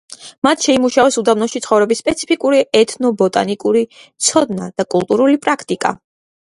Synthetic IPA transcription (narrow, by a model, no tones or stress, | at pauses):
mat̪ʰʃɛimuʃavɛsud̪avnɔʃit̪sχɔvɾɛbisːpʼɛt̪sʰi̥pʰikʼuɾiɛt̪ʰnɔbɔt̪ʼa̰nikʼuɾit̪sʰɔd̪na̰d̪̥akʼulˠt̪ʼuɾulipʼɾakʰt̪ʼikʼa̰